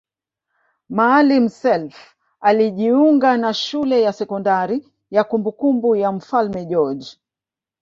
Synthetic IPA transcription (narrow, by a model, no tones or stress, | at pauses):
maːlim̩sɛlf | aliʄiuŋɡanaʃulɛjasɛkɔndaɾi | jakumbukumbujam̩falmɛʄɔd͡ʒ